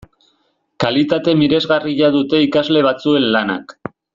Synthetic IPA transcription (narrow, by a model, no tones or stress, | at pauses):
kalit̪at̪e̞miɾezɣariʎaðut̪e̞ikazle̞β̞at͡sue̞nlana̰k